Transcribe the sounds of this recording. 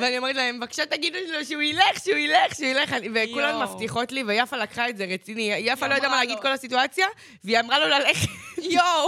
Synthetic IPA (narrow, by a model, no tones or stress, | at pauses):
veanioe̞et̪̬laemevakʃat̪ːaɡid̪uliloʃeuileχʃeuileχʃeuile̞χanivekulanumaft̪iχo̞tlivejafalakχaetzeʁet͡sinijafalojad̪amalaɡid̪ko̞lasituat͡sja | veiamʁalo̞lale̞χetjo